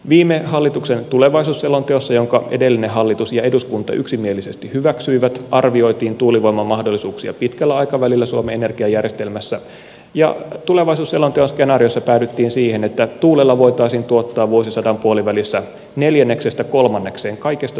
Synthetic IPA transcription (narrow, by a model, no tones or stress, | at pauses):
ʋiːmeɦɑlːit̪uksent̪uleʋɑisuːsːelont̪eosːɑjoŋkɑʔede̞lːineɦɑlːit̪usjɑeduskunt̪ɑ̰ʔyksimielisest̪ihyʋæksyiʋæt̪ʔɑrʋio̞jt̪iːnt̪uːliʋo̞imɑmːɑhdolːisuːksiɑ̰pit̪kælːæɑjkɑʋælilːæsuomeene̞rɡ̥iɑjærjest̪elmæsːæ̰ | jɑ̰t̪ule̞ʋɑisuːselont̪eonskenɑːriosːɑpæːt̪yt̪ːiːnsiːhenet̪ːæt̪uːlelːɑʋo̞jt̪ɑisiːnt̪uot̪ːɑːʋʋuosisɑdɑmpuoliʋælisːæ | ne̞ljænːe̞ksest̪æko̞lmɑnːekseːŋkɑikest̪ɑ